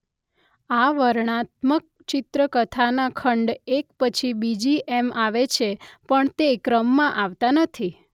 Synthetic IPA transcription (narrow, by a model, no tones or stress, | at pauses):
aʋəɾɳ̃at̪mək̚t͡ʃɪt̪ɾəkət̪ʰanakʰəɳɖek̚pət͡ʃʰibid͡ʒiʔemaʋet͡ʃʰepəɳt̪ekɾəmːãʔaʋt̪anət̪ʰi